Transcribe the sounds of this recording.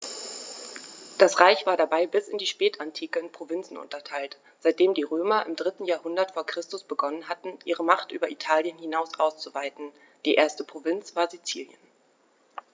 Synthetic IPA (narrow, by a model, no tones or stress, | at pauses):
d̥asʁaɪçv̥aːɐdabaɪbɪsɪndiːʃpɛːtʰantʰiːkəɪnpʁ̥ovɪnt͡sn̩ʔʊ̰ntɐtʰaɪlt | z̥aɪt̚d̥eːmdiːʁøːmɐʔɪmdʁɪtn̩jaːɐhʊndɐtfoːɐkʁ̥ɪstʊsb̥əɡɔnənɦatn̩ʔiːʁəmaχtʔyːbɐʔitʰaːljənhinaʊsʔaʊst͡suvaɪtn̩ | d̥iːʔeːɐstəpʁ̥ovɪnt͡sv̥aːɐzit͡siːljə̰n